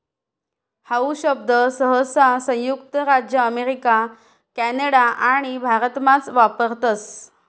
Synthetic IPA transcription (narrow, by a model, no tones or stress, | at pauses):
hauɕəb̚d̪ʱəsəɦəsasə̃j̃jukt̪əɾad͡ʑjəːmeɾika | kæneɽaʔaɽ̃ibʱaɾət̪mat͡sʋapəɾt̪əs